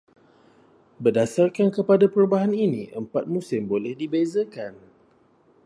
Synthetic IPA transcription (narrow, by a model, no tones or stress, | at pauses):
bərdasarkankəpadapəɾubaɦaninĩʔəmpat̪̚mũsɪmbolɛhdibezəkan